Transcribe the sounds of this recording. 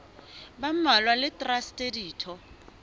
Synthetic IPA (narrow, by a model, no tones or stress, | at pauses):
bam̩malwalɪtʼrastʼediːtʰɔ